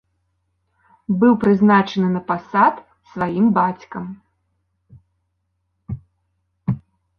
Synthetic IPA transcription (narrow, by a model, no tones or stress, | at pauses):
bɨwpɾɨznat͡ʂɐnɨnɐpasat̪ | svajimbat͡sʲkɐm